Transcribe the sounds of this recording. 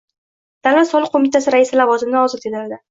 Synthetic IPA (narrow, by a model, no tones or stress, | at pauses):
d̪̥anvat̪sɒlˠɪqʰːomɪt̪ʰasɪɾaɪsɪlavɒzɪmɪnɪɒzɪt̪ʰed̪aɾd̪ɪ